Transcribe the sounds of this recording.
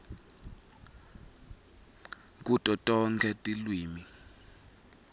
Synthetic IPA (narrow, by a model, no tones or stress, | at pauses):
k̬ʼutʼɔtʼɔŋkʰɛtʼilwiːmi